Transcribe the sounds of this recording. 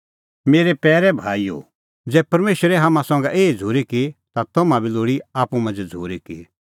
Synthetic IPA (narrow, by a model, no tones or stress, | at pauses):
meːɾepɛːɾɛbʱaːio̰ | d͡zɛːpɐɾmeːʃɾɛɦamãsɔ̃ːŋ̆ɡɛʔeːd͡zʱuːɾikit̪at̪omãbiloːɽiaːpumɐ̃nd͡zd͡zʱoːɾiki